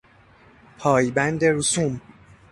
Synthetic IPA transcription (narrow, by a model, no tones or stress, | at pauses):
pʰɒːjbænd̪eɾusum